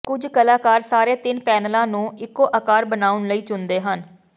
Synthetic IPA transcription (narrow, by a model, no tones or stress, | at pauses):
kʊd͡ʒkəlaːkaːɾsaːɾeːt̪ɪnpɛːnəlãːnũːɪkːoːʔəkaːɾbənaːʊnləiːt͡ʃʊnd̪eːɦən